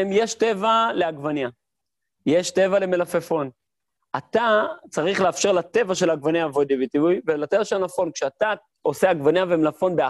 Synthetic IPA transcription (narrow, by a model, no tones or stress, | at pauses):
emjeʃte̞valeaɡvanja | jeʃte̞vale̞melafefo̞n | at̪at͡saʁiχleafʃe̞ʁlat̪e̞vaʃe̞laɡvanjavod̪ivit̪ivujvelat̪e̞vaʃealafo̞nkʃeat̪a | o̞seaɡvanjavemlafo̞nbea